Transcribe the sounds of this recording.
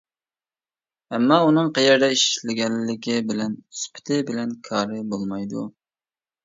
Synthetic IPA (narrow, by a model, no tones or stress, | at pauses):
ɛmːɑunɨŋqɛjɛɾd̪ɛiʃi̥ʃlɪɡʲɛlːɪkʲʰɪbɪlɛny̥spʰɪ̥t̪ʰɪbɪlɛnkʰɑːɾɨbolˠmɑjd̪u